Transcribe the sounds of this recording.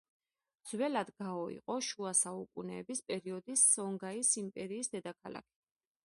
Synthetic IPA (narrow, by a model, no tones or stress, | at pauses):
d̪z̥wɛlad̪ɡaɔḭqʼɔʃuasaukʼunɛːbispʼɛɾiɔd̪isɔŋɡaisimpʼɛɾiːsd̪ɛd̪akʰala̰kʰɛ̥